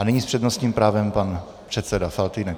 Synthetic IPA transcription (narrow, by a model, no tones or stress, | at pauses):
anɪɲispr̥ɛd̪nost̪ɲiːmpɾaːvɛmpan | pr̥ɛt̪sɛdafalt̪inɛk